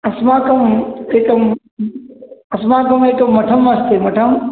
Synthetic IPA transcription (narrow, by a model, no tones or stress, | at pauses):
ɐsmãːkɐmeːkɐm | ɐsmãːkɐmeːkomːɐʈʰɐmɐst̪eːmɐʈʰɐm